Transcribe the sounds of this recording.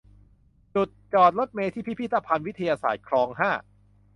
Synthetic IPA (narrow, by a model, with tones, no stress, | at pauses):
t͡ɕu˨˩t̪̚t͡ɕɔː˨˩t̪̚lo˦˥t̪̚meː˧t̪ʰiː˥˩pʰi˦˥pʰi˥t̪ʰːa˧pʰa˧nwi˦˥t̪ʰa˧jaː˧sa̰ː˨˩t̪̚kʰɾɔː˧ŋɦaː˥˩